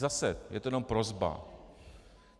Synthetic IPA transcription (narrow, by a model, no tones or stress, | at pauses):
zasɛjɛ̰t̪ojɛno̞mpɾozba̰